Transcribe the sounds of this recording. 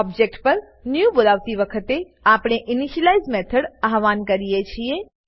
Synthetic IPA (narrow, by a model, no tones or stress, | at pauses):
ɔb̚d͡ʒek̚ʈpəɾ | njubolaʋt̪iʋəkʰət̪e | apɽ̃eʔiniʃəlaizmɛt̪ʰəɽaɦʋankəɾijet͡ʃʰie